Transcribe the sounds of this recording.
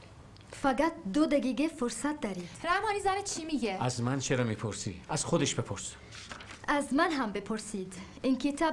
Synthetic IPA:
fæɡæt̪̚d̪od̪æɡiɡefoɾsæt̪̚d̪ɒɾiːd̪̥ɾæmɒːnizænet̪̚t͡ʃʰimiɡeæzmænt͡ʃʰeɾɒmipʰoɾsḭæz̥χod̪eʃb̥epʰoɾs | æzmænɦæmbepʰoɾsiːd̪ | iŋkʰit̪ʰɒ

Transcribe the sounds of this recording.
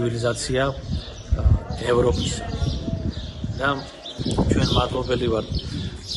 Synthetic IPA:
vilizat̪sʰia | ɛvɾɔpʼis | d̪a | t͡ʃʰwɛnmat̪ʼlɔbɛlivaɾt̪ʰ

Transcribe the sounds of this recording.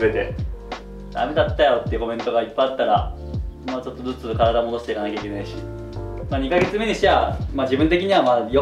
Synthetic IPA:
be̞t̪e̞̰ | d̪̥a̰me̞d̪at̪ːajo̞t̪ːeiɯ̟ko̞mʲẽ̞nt̪o̞ɡaipːajat̪ːaɾa | moːt͡ɕo̞t̪ːo̞d͡zɨt͡sɨkaɾad̪amod̪o̞ɕi̥t̪eikanakʲaikenaiɕi | maːɲ̟ikaɡe̞t͡sɨme̞ɲ̟iɕeamaːʑibɯ̃nt̪e̞kʲiɲ̟iβamaːjo

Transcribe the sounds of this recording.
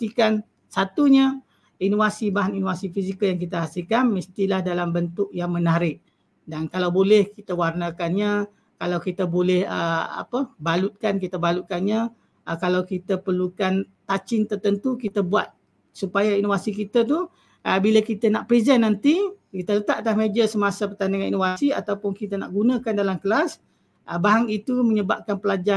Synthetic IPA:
t̪ikan | sat̪uɲa | inofasibaɦaninovasifizikəljaŋkit̪əɦasɪlkanmist̪ilahdalambənt̪ʊʔ̚jaŋmə̃naɾɪʔ̚ | dankalawbolɛhkit̪əwarnakanɲa | kalawkit̪əbolɛhə̰a̰pəbalut̪̚kankit̪əbalut̪̚kanɲa | kalawkit̪əpərlukant̪at͡ʃɪnt̪ərt̪ənt̪ukit̪əbuat̪̚ | supajainovasikit̪ət̪̬u | ʔəbilakit̪ənaʔpɾizɛnːant̪ikit̪ələt̪aʔt̪ahmed͡ʒəsəmasapərt̪andəŋanḭnofasia̰t̪awpʊnkit̪əna̰ʔɡunãkandalamkəlas | ʔəbaɦaŋit̪uməɲəbap̚kanpəlad͡ʒa

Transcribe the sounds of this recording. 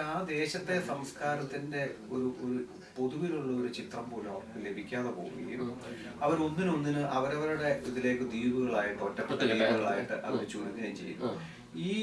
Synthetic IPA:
aːd̪e̞ːɕɐt̪ːe̞sɐmskaːɾɐt̪ːinde̞ | o̞ɾuʔoɾu | po̞ðuʋiluɭːɐo̞ɾut͡ɕit̪rɐmpoːluɐmɐkːɨle̞bʱikʲːaːðepo̞ːɣṵŋːɐ̰ŋɡʲḭl | ɐʋɐɾo̞nːino̞nːinɨʔɐʋɐɾɐʋɐɾuɽe̞iðile̞ːkːɨd̪iːbuɣɐɭaːjiʈːɨotːɐpɐtːd̪iːbuɣɐɭaːjiʈːɨʔɐ̰ʋɐɾɨt͡ɕuːɾɐt̪ːineːjmt͡ɕejːṵn | iː

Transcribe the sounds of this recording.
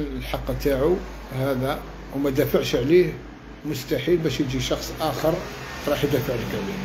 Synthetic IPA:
lħɑqːt̪aʕu | hæd̪æ | wmæd̪æfaʕʃʕlih | mʊst̪aħilbæʃjəd͡ʒiʃɑxsˤʔæxəɾˤ | ɾˤɑħjəd̪æfaʕləkʕli

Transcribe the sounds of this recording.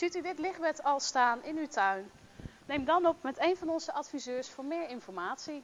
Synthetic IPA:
itydɪtlɪχbɛtɑlˠstaːnʔɪnytœɥn | nejmdɑnɔpmɛtejnvɑnɔnzəʔɑtfizøːɹsfʊːɹmɪːɹɪnfɔɹmaːtsi

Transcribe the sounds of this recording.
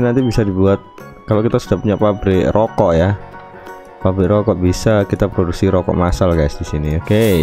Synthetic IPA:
nant̪ibisadibuat̪̚ | kalokit̪asudaʔpuɲapabɾiɾʔokɔʔja | pabɾiɾokɔʔbisakit̪apɾoduksiɾokɔ̰ʔmasalɡajsdisinioke

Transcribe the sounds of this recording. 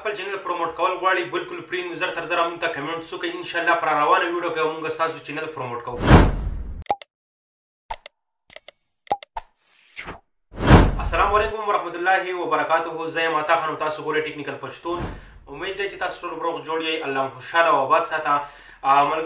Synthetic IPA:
pəlt͡ʃenɐlpɾomoʈkɐwəlɣwaɽibɪlkʊlpɾinuzəɾt̪ɐɾzəɾamuɡt̪akɐmeɳʈsukajɪnʃaːlːapəɾaɾɐwɑnawiɖjokajawmuŋɡast̪aːsot͡ʃenalpɾomoʈkɐwuk | ɐsːɐlaːmwalekʊmwɐɾahmat̪ʊlːaɦiwɐbɐɾɐkaːt̪uɦuzɐjemat̪aːxanawt̪aːsoɡoɾeʈeknɪkɐlpaʃt̪unumed̪̚ːajt͡ʃet̪aːsu̥ʈolbɾoːɡd͡ʒoɽjejʔalːaːmxoʃalawabaːd̪sat̪ã | mɐl

